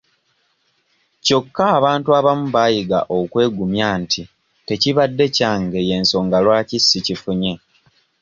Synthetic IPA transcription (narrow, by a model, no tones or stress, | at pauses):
co̞kːaːβaːntuaβamuβaːjiɡa̰ʔo̞kwe̞ːɡumjaːntʰi | te̞ciβadːe̞caːŋɡe̞je̞ːnso̞ːŋɡalwaːcisːicifuɲe̞